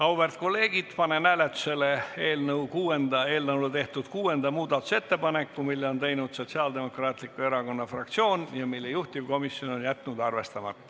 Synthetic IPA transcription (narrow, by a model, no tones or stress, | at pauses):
kɑwbert̪̚ko̞lːe̞ːɡ̥id̪̥pɑne̞næːlet̪ːˑu̥se̞lee̞ːlnɤwkuːe̞nd̪̥ɑe̞ːlnɤwlet̪e̞ht̪ud̪̥kuːe̞nd̪̥ɑmuːd̪ɑt̪ːˑu̥se̞t̪ːe̞pɑne̞kːumilːeo̞nt̪e̞jnud̪̥so̞t̪siɑːld̪e̞mo̞krɑːt̪ˑlikːˑue̞ɾɑko̞nːɑfrɑk̚t̪sio̞ːnjɑmilːejuht̪ivko̞misjo̞no̞njæt̪ːnud̪ɑrve̞st̪ɑmɑ̰t̪ːˑ